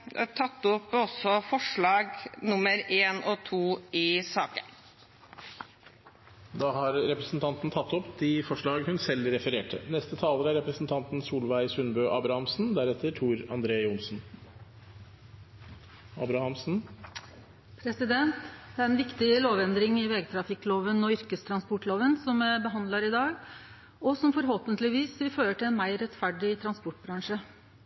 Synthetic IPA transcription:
t̪ʰɑt̪ːɔpɔsɔfɔʂɭɑːɡnʊməɾeːnʔɔt̪ʰuːɪsɑːkə̰n | d̪ɑːɦɑɾɾɛpɾəsn̩t̪ʰɑnt̪n̩t̪ʰɑt̪ːɔpd̪ɪfɔʂɭɑːɡhʉnsɛlɾɛfəɾeːʈʰə̰nɛst̪ət̪ʰɑːləɾəæɾɛpɾəsn̩t̪ʰɑnt̪nsuːlʋæɪsʉnbøːʔɑːbɾɑhɑmsn̩d̪æɾɛt̪ʰːəʈʰuːɾɑnd̪ɾeːʊnsn̩ | ɑbɾɑhɑmsn̩ | pʰɾɛsɪd̪ɛnt̪d̪æɾɛnʋɪkt̪ɪloːʋɛnd̪ɾɪŋɪʋeːɡt̪ʰɾɑfɪkːloːʋənɔʏɾkəst̪ʰɾɑnspɔʈloːʋənsɔmæbəɦɑnd̪lɑɾɪd̪ɑːɡ | ɔsɔmfɔɾɦoːpənt̪lɪʋiːsʋɪføːɾəʈɪlɛnmæɪɾɛt̪fæɖɪt̪ʰɾɑnspɔʈ̚bɾɑŋʂə

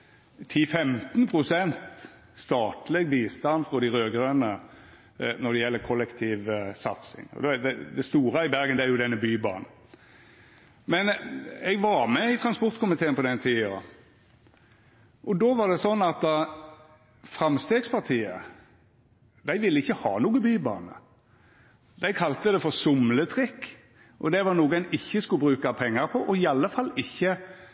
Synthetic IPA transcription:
t̪ʰifɛmt̪npʰɾʊsɛnt̪ | st̪ɑːt̪lɛɡbiːst̪ɑnfɾɔd̪ɪɾøːɡɾøːnə | nɔd̪ɛjɛlːəkʰɔlːɛkt̪ʰiːʋsɑ̰t̪sɪ̰ŋɔ̰d̪ɛd̪ɛd̪ɛst̪uːɾəɪbæʁɡənd̪ɛæɾjʊd̪ɛnːəbyːbɑ̰ːn̩ | mɛnɛɡʋɑɾmɛɪt̪ʰɾɑnspɔɾt̪kʰʊmɪt̪ʰeːənpɔd̪ɛnt̪ʰiːəə | ʔɔd̪oːʋɑd̪ɛsɔnːɑt̪̚d̪ɑ | fʁɑmst̪eːɡspʰɑʁt̪ʰiːə̰ | d̪æɪʋɪlːəɪçːəhɑ̰ːnuːɡəbyːbɑ̰ːnə̰ | d̪æɪkʰɑlt̪əd̪ɛfɔʁsʊmlət̪ʰʁɪkː | ʔɔd̪ɛʋɑʁnuːɡɛnɪçːəskʉbʁʉːkɑpʰɛŋːəʁpʰɔʔɔɪɑlːəfɑlːɪçːə

